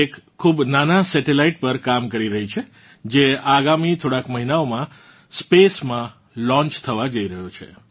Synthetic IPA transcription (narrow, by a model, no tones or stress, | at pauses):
ekʰːubnanasɛʈelaiʈ̚pəɾkamkəɾiɾəɦit͡ʃʰe | d͡ʒeaɡamit̪ʰoɽakməɦinaomã | spesmã | lɔ̃ɲt͡ʃt̪ʰəʋad͡ʒəiɾəɦot͡ʃʰḛ